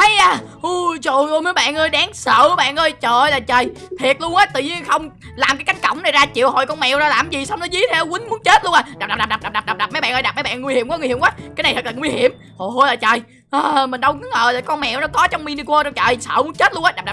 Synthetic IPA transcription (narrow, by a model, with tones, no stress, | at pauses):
a˨˦jʔaː˧˩ʔu˧˩t͡ɕo˧˨ʔo˧˩jməː˨˦jɓa̰ː˧˨nʔəː˧jɗaː˨˦ŋsəː˧˨˧ɓa̰ː˧˨nʔəː˧jt͡ɕəː˧˨˩jlaː˨˩t͡ɕəː˨˩j | t̪ʰi˨˩ət̚lu˧əŋʔəː˨˦t̪ɨ̰˧˨ɲi˧ənxə˧wŋ͡m | laː˨˩mkaː˨˦ka˨˦jŋ̟kə̰˧˩˨wŋ͡mna˨˩jzaː˧t͡ɕḭ˧˨əwhɔ̰˧˨˩jkɔ˧nmɛ̰˧˨wna˨˩laː˨˩mzi˨˩sa˧wŋ͡mnɔ˨˦zi˧˨˦t̪ʰɛ˧˦kwï˨˦ŋ̟mu˨˦ənt͡ɕe˦˥t̚lu˧əŋaː˨˧˩ɗaː˨˩ɗa˨˩pɗa˨˩ɗa˨˩ɗa˨˩ɗa˨˩ɗa˨˩p̚ɗa˨˩p̚m˨˦jɓa̰ː˧˨ʔəː˧jɗ̚mə˨˦jɓa̰ː˧˨nŋ˧hi˧˩əmkɔ˦ŋ˧˨hi˧˨ŋ͡mkwaː˨˦kaː˨˦ja˨˩t̪ʰə˨˩k̚lʰəː˨˩ŋwi˧hi˧˨əm | ho˨˩ho˧jlaː˨˩t͡ɕəː˨˩j | ʔəː˨˩mï̟˨˩ɗə˧wkɨ˨˦ŋʔəː˨˩laː˨˩kɔ˧nmɛ̰˧˨wnɔ˨˦kɔ˨˦t͡ɕɔ˧wŋ͡mmi˧ni˧kwə˧ɾɔ˧t͡ɕəː˨˩jsə̰ː˧˨mu˨˦nt͡ɕe˦˥t̚lu˧ʔaː˧˦ɗa˨˩ɗa˨˩